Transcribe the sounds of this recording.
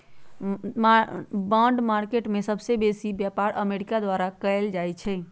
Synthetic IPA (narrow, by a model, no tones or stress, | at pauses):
mbãɳɖmaɾkeʈmesəbʱsebesibjapaɾʔəmeɾikad̪waɾakəɪld͡ʒajt͡ʃʰɛ